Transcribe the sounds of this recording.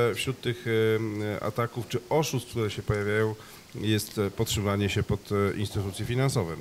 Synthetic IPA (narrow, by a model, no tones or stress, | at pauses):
fɕɾut̪ːɘx | a̰t̪akuft͡ʂɘɔʂust̪k̪̚t̪uɾɛɕɛpɔjavʲjajɔ̃w̃ | jɛst̪pɔtʂɛmvaɲɛɕɛpɔt̪ʔinst̪ɘt̪ut̪sʲjɛfʲinansɔvɛ̰